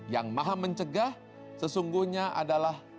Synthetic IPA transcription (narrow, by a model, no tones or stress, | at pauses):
jaŋmaɦaməɲt͡ʃəɡah | səsuŋɡuhɲaʔa̰dalah